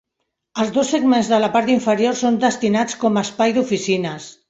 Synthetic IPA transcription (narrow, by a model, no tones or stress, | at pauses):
əlˠzdosːəɡmenzðəlapaɾt̪iɱfəɾjoɾsond̪əst̪inat͡skɔməspajðufisinəs